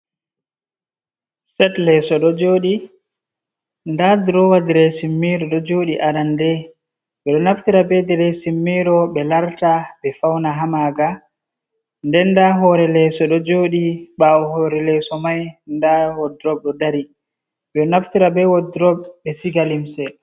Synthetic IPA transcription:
sɛtlɛsɔɗɔd͡ʒoːɗi | ndadɾɔwadiɾɛsimːiɾɔɗɔd͡ʒoɗiʔaɾandɛ | ɓɛɗɔnaftiɾabɛdɛɾɛsimːiɾɔɓɛlaɾtaɓɛfawnaɦamaɡa | ndɛnːdaɦɔɾɛlɛsɔɗɔd͡ʒoːɗiɓaɔhɔɾɛlɛsɔmajndawɔdɾɔb̚ɗɔdaɾi | ɓɛɗɔnaftiɾabɛwɔdɾɔbːɛsiɡalimsɛ

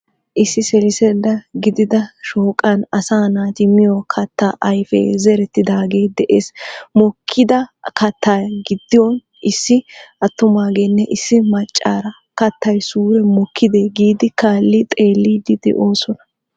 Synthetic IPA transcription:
ʔɪsːɪsɛlɪsɛlːɐɡɪd̪ɪd̪ɐʃoːkʼɐnɐsaːnaːt̪ɪmɪjokʰɐt̪ːaːʔɐjfɛ̰zɛɾɛt̪ːɪd̪aːɡe̞ːd̪ɛʔeːsmɔkʰːɪd̪ɐkʰɐt̪ːaːɡɪd̪ːɪjɔn | ʔɪsːɪɐt̪ːʊmaːɡeːnːɛʔɪsːɪmɐt͡ʃʼːaːɾɐ | kɐt̪ːɐjsuːɾɛmɔkʰːɪd̪eːɡiːd̪ɪkaːlːɪt̪ʼe̞ːlːiːd̪ɪd̪ɛ̰ʔo̞ːsɔnɐ

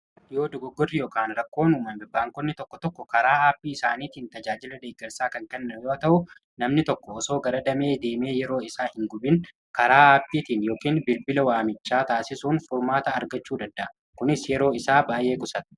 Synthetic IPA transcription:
ɪjoːd̪ʊɡɔɡːɔrːɪjoːkaːnɾɐkːo̞ːnuːmɐmbɪbːaːŋkɔnːɪt̪ɔkːɔt̪ɔkːɔkɐɾaːaːbːiːɪsaːniːt̪iːnt̪ɐd͡ʒaːd͡ʒɪlɐd̪eːɡːɛɾsaːkɐŋkɛnːɐjoːɐt̪ɐʔʊ | nɐmnɪt̪ɔkːɔːso̞ːɡɐɾɐd̪ɐme̞ːd̪e̞ːme̞ːjɛɾo̞ːɪsaːhɪŋɡʊbɪn | kɐɾaːaːbːiːt̪iːnjo̞ːkiːnbɪlbɪlɐwaːmɪt͡ʃːaːt̪aːsɪsuːnfʊɾmaːt̪ɐːɾɡɐt͡ʃːuːd̪ɐnd̪ɐʔ | kʊnɪsjɛɾo̞ːɪsaːbaːjʔe̞ːkʊsɐt̪̚

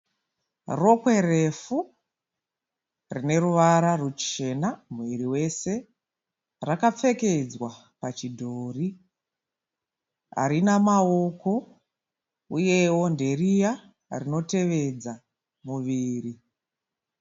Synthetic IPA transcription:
ro̞kwe̞ɾe̞fu | rine̞ruʋaɾarut͡ʃe̞namuʋiɾiwe̞se̞ | rakap͡fe̞ke̞d͡zwa | pat͡ʃidʱoːri | ɦa̰ɾinamao̞ko̞ | uje̞wo̞nde̞rija | rino̞te̞ʋe̞d͡za | muʋiːri

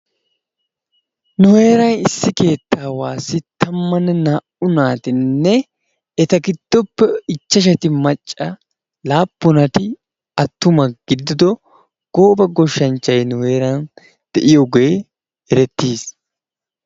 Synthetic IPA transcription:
nʊhe̞ːɾɐnɪsːɪke̞ːt̪ːaːwaːsɪt̪ʰɐmːɐnɛnaːʔʊnaːt̪ɪnːɛ | ɛt̪ɐɡɪd̪̥ːɔpːɛɪt͡ʃːɐʃ̬ɐt̪ɪmɐt͡ʃʼːɐ | laːpːʊnɐt̪ɪ | ɐt̪ːʊmɐɡ̥ɪd̪ːɪd̪ɔ | ɡ̥oːbɐɡɔʃːɐnt͡ʃːɐjnʊwe̞ːɾɐn | d̪̥ɛʔɪjɔɡe | ɛɾɛt̪ːiːs

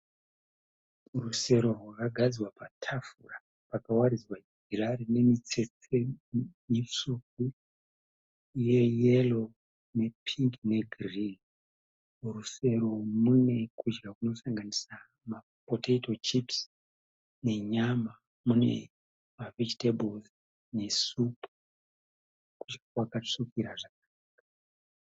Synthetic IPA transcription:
ruse̞ɾo̞rwakaɡʱad͡ziwapatʰafura | pakawaɾid͡zwa | irarine̞mit͡set͡semisuk̚u | jejelo | ne̞pʰiŋɡne̞ɡʱiriŋ | ruse̞ɾo̞mune̞kud͡ʒɡakuno̞saŋɡanisa | ma | potetot͡ʃips | ne̞ɲama | mune̞̰ | maved͡ʒitebolz | ne̞supu | kut͡ʃkwakaʂukiɾaʐakaː | ka

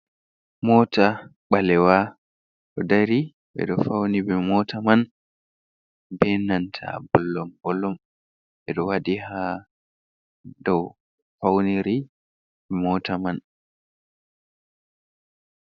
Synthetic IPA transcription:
mɔtaɓalɛwa | ɗɔdaɾi | ɓɛ̰ɗɔfawnibɛmɔtaman | bɛnantʰa̰bɔlːɔmɡɔlɔm | ɓɛɗɔwaɗiha | dɔw | fawniɾi | bɛmɔtaman

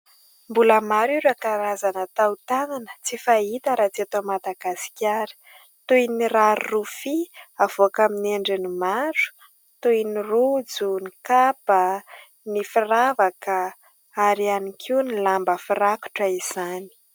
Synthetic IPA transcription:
mbuləmaɾiɾakaɾazanət̪awt̪ananə̥t͡sifait̪əɾat͡siat̪omad̪aɡasi̥kʲaɾi̥ | t̪ujniraɾrufiavoakamineɳɖ͡ʐinimaɾu̥ | t̪ujinirud͡zunikapə | nifiravakə | aɾianikʰiunilambəfiraku̥ʈ͡ʂəiz̥ani̥

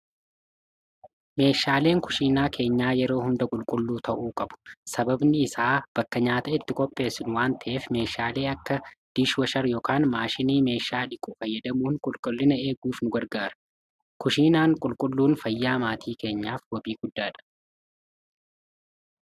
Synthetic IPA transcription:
me̞ːʃaːle̞ːŋkʊ̥ʃiːnaːkʰe̞ːɲːaːjɛɾo̞ːhʊnd̪ɐkʼʊlkʼʊlːuːt̪ʰɐʔuːkʼɐbʊ̥sɐbɐbnɪɪsaːb̥ɐkːɐɲaːt̪ɐɪt̪ːɪkʼɔpʼːe̞ːsɪnʊwaːnt̪ɐʔeːfme̞ːʃaːle̞ːɐkːɐd̪̥ɪʃwɐʃɐɾjɔːkaːnmaːʃɪniːme̞ːʃaːᶑɪkʼʊfɐjːɐd̪ɐmuːŋkʼʊlkʼʊlːɪnɐe̞ːɡuːfnʊɡɐɾɡaːɾɐ̥ | kʊʃiːnaːŋkʼʊlkʼʊlːuːnfɐjːaːmaːt̪ʰiːke̞ːɲːaːfwɔbiːɡ̥ʊd̪ːaːᶑɐ̥

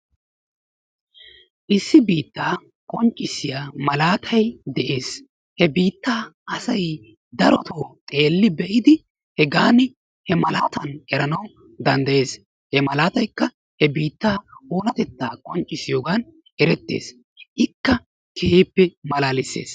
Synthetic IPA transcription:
ʔɪsːɪbiːt̪ːaː | kʼɔnt͡ʃʼːɪsɪjaːmɐlaːt̪ʰɐjd̪ɛʔe̞ːs | hɛbiːt̪ːaːʔɐsɐj | d̪ɐɾɔt̪ʰoːt̪ʼe̞ːlːɪbɛʔɪd̪ɪ | hɛɡaːnɪ | hɛmɐlaːt̪ɐnɛɾɐnɐw | d̪ɐnd̪ɐje̞ːs | hɛmɐlaːt̪ɐjkːɐ | hɛbiːt̪ːaːoːlɐt̪ɛt̪ːaːkʼɔnt͡ʃʼːɪsɪjoːɡan | ʔɛɾɛt̪ːḛːs | ʔɪkːɐ | kʰehiːpːɛmɐlaːlɪsːe̞̰ːs

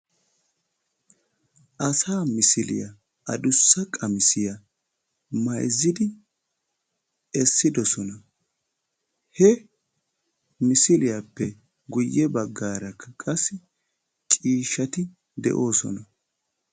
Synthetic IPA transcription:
ʔɐsaːmɪsɪlɪ̰jɐ̰ | ɐd̪ʊsːɐkʼɐmɪsɪjɐ | mɐjzːɪd̪ɪ | ɛsːɪd̪ɔsɔnɐ | hɛ | mɪsɪlɪjapːɛ | ɡʊjːɛbɐɡːaːɾɐkʰːɐkʼɐsːɪ | t͡ʃʼiːʃɐt̪ɪ | d̪ɛ̰ʔo̞ːsɔ̰nɐ

